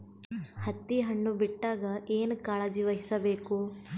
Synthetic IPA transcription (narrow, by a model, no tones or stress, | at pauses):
hɐt̪ːiɦɐɳːubiʈːaːɡɐeːnukaːɭɐd͡ʒiʋɐɦisɐbeːku